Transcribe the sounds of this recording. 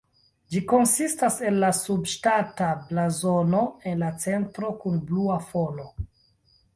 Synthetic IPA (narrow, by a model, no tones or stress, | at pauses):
d͡ʒiko̞nsistase̞nlasubʃtatablazo̞no̞e̞nlat͡se̞ntɾo̞kunbluafolo̞